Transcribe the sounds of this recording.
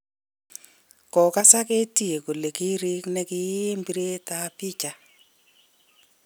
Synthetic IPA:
kɔ˨ka˦sa˦ke˦ti˦e˨ko˨le˨ki˦ɾi˦knɛ˦kɪ˦ji˦mbi˦ɾe˦ta˦pi˦t͡ʃa˨

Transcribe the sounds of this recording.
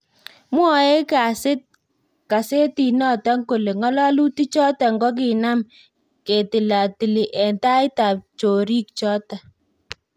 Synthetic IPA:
mwɔ˦˨e˦ka˨sɪ˦t̚ | ka˨se˦ti˨nɔ˦˨ta˦ŋko˨le˨ŋɔ˦la˦lu˦ti˦t͡ʃɔ˦ta˨ŋɡɔ˦k̬ɪ˨na˦m | ke˨tɪ˨la˨ti˨li˨ʔɛ˨nta˦ɪ˦ta˨p̚t͡ʃo˨ɾi˦k̚t͡ʃɔ˦ta˨

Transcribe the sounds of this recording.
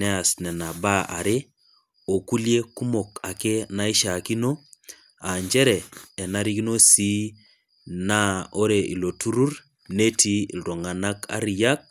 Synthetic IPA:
nɛ˦a˨snɛ˨na˨ba˦a̰˨ɾe˦ | o˨ku˦lje˦ku˦mo˨ka˨ke˦na˦i˦ʃa˨ki˦no˦ | a˨ɲd͡ʒɛ˦ɾɛ˨ɛ˨na˦ɾi˦ki˦no˦si˦ | na˦o˦ɾe˨i˨lo˨tu˦ɾu˦ɾ | ne˦ti˦˨lɾo˨ŋa˨na˦ka̰˦ɾi˨ja˦k̚

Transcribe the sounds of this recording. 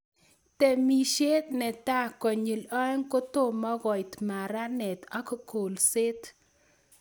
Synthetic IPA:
t̪ɛ˨mi˨ʃe˦t̪nɛ˨t̪a˦kɔ˨ɲi˨lɔ˦ɛ˦ŋko˦t̪o˦mɔ˦ɣɔ˨jt̪ma˨ɾa˦nɛ˨t̪ɔ˦kko˨lse˦t̪

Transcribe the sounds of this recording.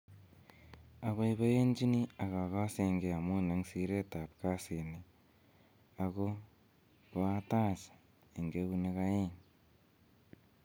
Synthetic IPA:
a˨βaiβo˦je˦ɲd͡ʒi˦ni˦a˨ka˨ɣa˦seŋɡe˨a˨muː˦na˨ŋsiɾe˦ta˨pka˦sine | ako | ka˦taː˦sḁ | e˨ŋɡeβu˦nekaeŋ

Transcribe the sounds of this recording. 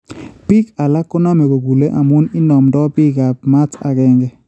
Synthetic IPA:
pi˦ka˨la˦kːʊ˦na˦me˨ɡo˨ɡu˨le˦ʔa˨mu˦nɪ˦nɔ˨mdɔ˦pɪ˦ɡa˨p̚ma˦ta̰˨kɛ˦ŋɡɛ˦

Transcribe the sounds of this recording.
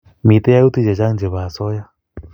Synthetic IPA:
mi˨t̪ɛ˦ja˦u˦t̪i˦˨d͡ʒɛ˨d͡ʒa˦ŋnd͡ʒɛ˨βa˨sɔ˦ja˦

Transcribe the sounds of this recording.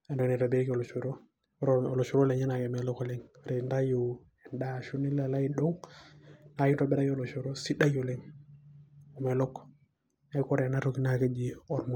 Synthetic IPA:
a˨ndɔ˨ni˨ɾa˨be˦ko˨lo˨t͡ʃo˨ɾo˦ | ɾo˨lo˨ʃo˨ɾo˦le˨ɲi˦na˨kɛ˨mɛ˨lo˦kɔ˨le˦ŋ˨ɾe˨nda˦jo˨ | ɛ˨nda˦ʃu˦ni˦la˨la˦i˦do˦ŋ | na˨ki˦tɔ˨bɛ˦ɾa˦jo˦lo˨ʃo˨ɾo˦si˦da˦jo˨le˦ŋ | o˨me˨lɔ˦k | a˦ko˦ɾe˨na˦ɾo˨ki˦na˦˨ke˦d͡ʒi˨ɔ˨ɾmɔ˨

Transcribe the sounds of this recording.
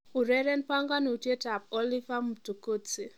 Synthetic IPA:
u˨ɾɛ˦ɾɛ˦npa˦ŋɡa˦ni˨u˨tje˦ta˨p̚ɔ˦li˦va˦mu˨tu˨ko˦t͡si˨

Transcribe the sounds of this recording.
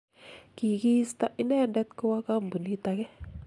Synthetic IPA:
ki˨ki˦st̪a˦ʔi˦nɛ˦˨ndɛ˦t̪ko˦wa˦ka˦˨m˨bu˨ni˦t̪a˧kɛ˦

